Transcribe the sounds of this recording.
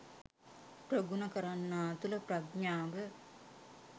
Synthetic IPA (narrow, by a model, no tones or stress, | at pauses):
pɾəɡunɐkɐɾanːaːt̪uləprɐɡɲaːʋə